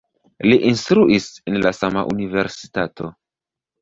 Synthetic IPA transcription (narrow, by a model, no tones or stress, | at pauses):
liʔinstɾuʔisenlasama̰ʔunive̞ɾsi̥tato̞̰